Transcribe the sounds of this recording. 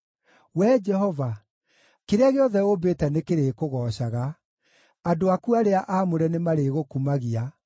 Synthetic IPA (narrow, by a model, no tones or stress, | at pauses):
wɛd͡ʒɛhɔva | keɾeaɣeɔðɛobeːtɛnekeɾekoɣɔːɕaɣa | adoakuaɾeaʔaːmoɾɛnemaɾeɣokumaɣia